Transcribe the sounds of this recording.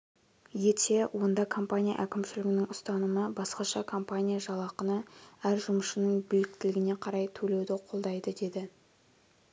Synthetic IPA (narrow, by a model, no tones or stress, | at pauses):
jet̪ʰe̞wʔo̞nd̪ɑkʰo̞mpanʲija̰ʔækʲɪmʃɪlɪɡʲɪnɪŋʊst̪ɑnəməbɑsqɑʃɑkʰo̞mpanʲijaʒɑlˠɑqənəæɾʒʊməʃənəɴbɪlɪk̚t̪ɪlɪɡʲɪne̞qʰɑɾɑjt̪ʰɵle̞wd̪ɪqʰo̞lˠd̪ɑjd̪əd̪e̞d̪ɪ